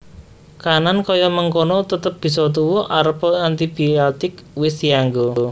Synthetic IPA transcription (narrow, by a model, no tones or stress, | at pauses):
kanankɔjɔməŋkonɔt̪ət̪əp̚b̥i̤s̬ɔt̪̬uwuʔaɾəpɔant̪ib̥iɔt̪ɪkwɪsjaŋɡo